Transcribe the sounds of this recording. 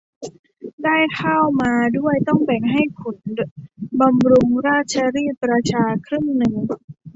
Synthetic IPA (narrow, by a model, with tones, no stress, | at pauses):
daː˥˩jkʰa˥˩wmaː˧du˥˩əjt̪ɔ˥˩ŋbɛ˨˩ŋɦa˥˩jkʰo˨˩˦n | ba˧mɾu˧ŋɾaː˥˩t̪̚t͡ɕʰa˧ɾiː˥˩p̚ːɾa˧t͡ɕʰaː˧kʰɾɯ˥˩ŋnɯ˧ŋ